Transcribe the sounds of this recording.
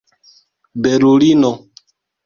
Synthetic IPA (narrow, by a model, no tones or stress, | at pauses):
bɛɾulinɔ